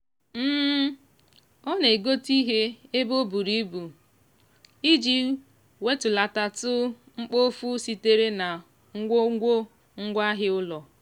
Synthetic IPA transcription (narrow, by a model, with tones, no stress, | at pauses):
m̩ː˦ | ɔ˦ne˨ɡo˦ti˦ɦe˦e˦bo˦bu˨ɾi˦bu˨ | i˦d͡ʒi˦ | we˦tʊ˨la˨ta˨tʊ˦ | ŋ͡m̩˦k͡po˦fu˦si˦te˦ɾe˦na˨ | ŋ̩˦ɡʷo˦ɡʷo˦ | ŋ̩˦ɡʷa˦ɦɪ˦ʊ˦lɔ˨